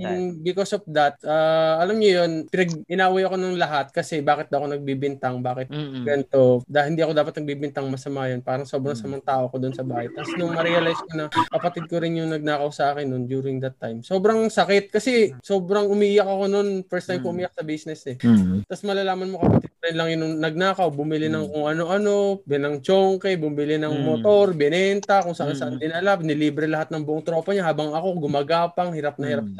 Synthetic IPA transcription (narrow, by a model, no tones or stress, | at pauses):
jʊŋbɪkosɔfd̪ɐt̪̚ʔaʔɐlɐmɲojo̞npɪnɐɡɪnaːʔwajɐko̞noŋlɐɦat̪̚kɐsɛbaːkɪt̪̚d̪ɐʔko̞nɐɡ̚biːbɪnt̪ɐŋbaːkɪt̪̚ɡɐnt̪o̞d̪ɐhɪnd̪iːʔɐko̞d̪aːpɐt̪nɐɡ̚bibɪnt̪ɐŋmɐsɐmajonpaːɾɐŋso̞ːbɾɐŋsɐmɐŋt̪aːʔoɐko̞d̪oonsɐbaːhɐjt̪asnoŋmɐɾɛɐlajskonɐkɐpɐt̪ɪd̪̚koɾɪnjʊŋnɐɡ̚naːkɐʊsɐʔaːkɪnːond͡ʒuːɾɪŋd̪ɐt̪ːajmso̞bɾɐŋsɐkɪt̪̚kɐsɛso̞bɾɐŋʔʊmiʔiːjɐk̚ɐko̞no̞nfɛɹst̪ːajmkoʔʊmiːjɐk̚sɐbiːsnɛsɛt̪asmɐlalaːmɐnmo̞kɐpɐt̪ɪd̪̚koɾɪnlɐŋjʊŋnɐɡ̚naːkɐwbʊmɪlɪnɐŋkʊŋɐno̞ʔɐno̞bɛnɐŋt͡ʃoŋkɛbʊmbɪlɪnɐŋmot̪o̞ɾbɪnɛnt̪ɐkʊŋsɐʔansɐʔand̪ɪnɐlap̚nɪliːbɾɛlɐɦat̪̚nɐŋbʊʔoŋt̪ɾo̞ːpɐɲahaːbɐŋɐko̞ɡʊmɐɡaːpɐŋhɪɾap̚nɐhɪɾap̚